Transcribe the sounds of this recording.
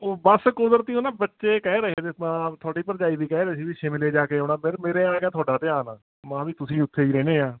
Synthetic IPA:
oːbəskʊd̪əɾt̪iːoːnãːbətːʃeːkɛːɾəkeːt̪emãːt̪ʰʊaːɖiːpəɾd͡ʒaːiːb̪iːkɛːɾɛsiːbiːʃeːmɪleːd͡ʒaːkeːoːnãːmeɾmeːɾeːãːɡaːt̪ʰʊaːɖaːt̪eːaːnaː | mãːʋiːt̪ʊsĩːʊt̪ʰːeːiːɾɛːneːaː

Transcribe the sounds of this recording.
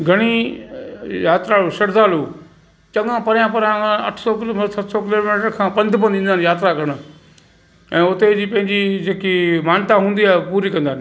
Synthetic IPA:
ɡʱɐɽ̃i | jaːt̪ɾaoːʃɐɽzaːluː | t͡ʃɐ̃ŋɡãpɐɾjãpɐɾjãɐ̰ʈʰsɔkɪmsɐt̪ʰsɔkɪloːmeʈəɾkʰãːpɐ̃nd̪pə̃nd̪ĩːnd̪aːnjaːt̪ɾakɐɽ̃ | ɛ̃ːʊt̪ed͡ʑiːpɐ̃ɦɪ̃ɲd͡ʑid͡ʑeːkimaːnt̪aɦũːnd̪iaːɦpuːɾikɐ̃nd̪aːn

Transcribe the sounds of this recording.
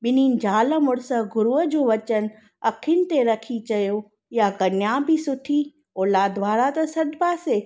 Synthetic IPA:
bɪnind͡ʑaːləmʊɽsəɡʊɾuəd͡ʑoːʋɐt͡ʃən | ɐkʰɪnt̪eɾɐkʰit͡ɕɐjo | jaɡɐnjabʱisʊʈʰi | oːlad̪ʋaːɾat̪ɐsɐd̪baːse

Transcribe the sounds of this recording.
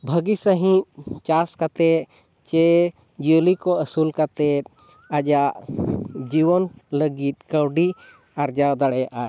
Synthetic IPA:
bʱəɡisəɦĩʔ̚t͡ʃaskat̪ɛ | t͡ʃɛ | d͡ʒulikɔəsulkat̪ɛt̪̚ | ad͡ʒaʔd͡ʒiwɔnləɡit̪̚kəwɖi | aɾd͡ʒawd̪aɽɛjaʔa

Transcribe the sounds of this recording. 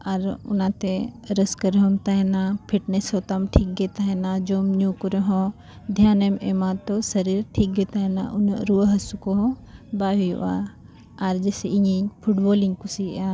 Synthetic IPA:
ɐɾʊ̰nãːt̪eɾɐskɐɾɦomt̪aɦenãpʰiʈnesoːt̪amʈʰiːk̚ɡet̪aɦenãd͡ʒoːmnukuɾeɦõ | d̪ʱjaːnememãt̪osɐɾiːɾʈʰiːk̚ɡet̪aɦenã̰ʔʊ̰nɾuɦɐsukoɦõbaːɦijo̰a̰ | aɾd͡ʒeːseʔiĩpʰuʈboːlĩŋɡkusiaː

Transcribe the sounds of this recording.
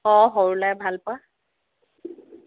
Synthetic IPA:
ɔɦoɹlajbʱalpʊa

